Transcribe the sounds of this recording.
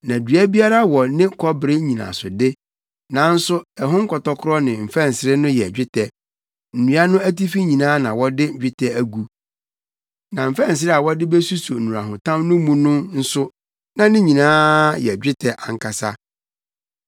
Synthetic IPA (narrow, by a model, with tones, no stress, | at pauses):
nã˨dɥæ˦bi˦a˦ɾa˦wɔ˨nɪ̃˦kʰɔ˦bɪ˨ɾɪ˦ɲĩ˨nã̰˨sʊ˨dɪ˦ | nã˨n̩˦sʊ˦ɛ˨ɦʊ̃˦ŋ̩˦kʰɔ˨tɔ˦kʰʊ˦ɾɔ˦nɪ̃˨m̩˨fɛ̃˦˨n̩˨sɪ˦ɾɪ˦nʊ̃˦jɛ˨d͡ʑᶣɪ˦tʰɛ˨ | n̩˨nũ˨˦a˦nʊ̃˦æ˦ti˦fi˦ɲĩ˨nãː˦nã˨wɔ˦dɪ˦˨d͡ʑᶣɪ˦tʰɛ˦æ˨ɡu˨ | nã˨m̩˨fɛ̃˦n̩˨s̬ɪ˦ɾɪ˦a˨wɔ˦dɪ˦bɛ˦su˦su˨n̩˨ũ˨ɾa˨ɦʊ̃˨tʰã˦mnʊ̃˦mũ˦nʊ̃˦n̩˦sʊ˦ | nã˨nɪ̃˦ɲĩ˨nãː˦jɛ˨d͡ʑᶣɪ˦tʰɛ˨ʔa˨ŋ̩˦kʰa˨sa˦